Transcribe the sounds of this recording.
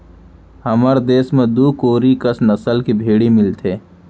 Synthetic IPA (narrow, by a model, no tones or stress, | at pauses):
hɐməɾd̪eːsmẽd̪uːkoːɾikəsnɐsəlkibʱeːɽimɪlt̪ʰeː